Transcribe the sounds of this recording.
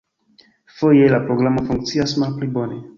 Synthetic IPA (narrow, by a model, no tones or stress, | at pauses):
fo̞jelapɾoɡɾamo̞fuŋk̚t͡siasmalplibo̞ne